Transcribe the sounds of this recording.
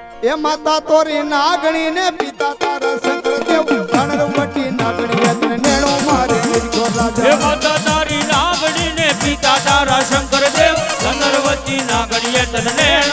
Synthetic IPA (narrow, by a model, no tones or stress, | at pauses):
emaːt̪at̪oɾinaɡɳ̃inepit̪at̪aɾaʃəŋkəɾd̪eʋənəɾʋəʈ̪inaɡɳiet̪neɽ̃õmaɾeeɾɡolaemat̪at̪aɾinaɡɳinepit̪at̪aɾaʃəŋkəɾd̪eʋ̪ənəɾʋət̪inaɡɽiet̪əne